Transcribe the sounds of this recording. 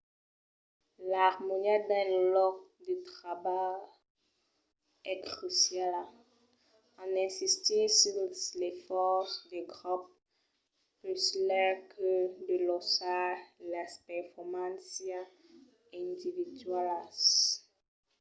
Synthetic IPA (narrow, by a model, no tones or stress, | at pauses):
laʁmoniad̪ɛ̃lɔkd̪ət̪χaba | ɛkχysjala | ãnɛ̃sist̪isislɛfɔsd̪eɡʁup | pøslɛkʰədəlɔsalaspɛʁfɔʁmãnsja | ɛ̃nd̪ividɥalas